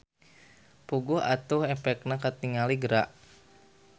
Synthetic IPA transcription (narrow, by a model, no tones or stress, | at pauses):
puɡuɦa̰t̪uhɛpɛk̚nakat̪iŋaliɡəɾaʔ